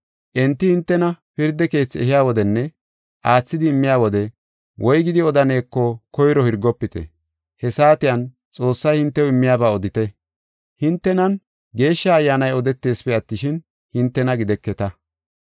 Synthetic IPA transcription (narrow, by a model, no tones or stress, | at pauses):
ʔɛnt̪ːɪhɪnt̪ːɛnɐpɪɾd̪ɛke̞ːt͡sːɛ̰ɦɪjaːwɔd̪ɛnːɛ | ʔaːt͡sːɪd̪ɪːmːɪjaːwɔd̪ɛ | wʔɔjɡɪd̪ɪɔd̪ɐne̞ːkːɔkɔjɾɔhɪɾɡɔpːɪt̪ɛ̰ | hɛsaːt̪ɪjɐn | t͡sʼo̞ːsːɐjhɪnt̪ːɛwɪmːɪjaːbaːɔd̪ɪt̪ɛ | hɪnt̪ːɛnɐn | ɡe̞ːʃːɐːjːaːnɐjɔd̪ɛt̪ːe̞ːspɛɐt̪ːɪʃɪn | hɪnt̪ːɛnɐɡɪd̪ɛkːɛt̪ɐ